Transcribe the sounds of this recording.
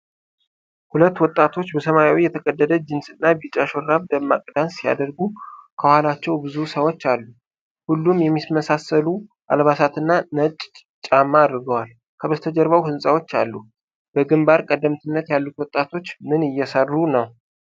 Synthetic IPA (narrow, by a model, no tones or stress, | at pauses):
hulət̪ːwɔt̪ʼːat̪ʰo̞t͡ʃːbəsəmajawijɛt̪ʰəkʼəd̪ːəd̪əd͡ʒɨnsɨnːabit͡ʃʼaʃoɾːaβd̪əmːakʼd̪ansija̰d̪əɾɡukʰəhalat͡ʃːɛwbɨzusəwot͡ʃːalːu | hulːumjɛmːisməsasəlu | ʔa̰lβasat̪ɨnːanət͡ʃʼ | t͡ʃʼamːaːd̪ɾɡəwal | kʰəβət̪ʰəd͡ʒəɾβawhɨnsʼawo̞t͡ʃːa̰lːu | b̥əɡɨmbaɾkʼəd̪əmt̪ʰɨnːət̪jalːut̪wɔt̪ʼat̪ʰo̞t͡ʃːmɨnɨjːɛsərːunəw